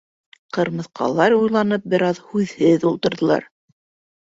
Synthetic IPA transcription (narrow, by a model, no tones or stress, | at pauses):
qɤ̆ɾmɤ̆θqɑ̰lˠɑɾujlˠɑnɤp̚bɘ̆ɾɑðhʉðhɘðulˠt̪ŏɾðɤ̆lˠɑ̰ɾ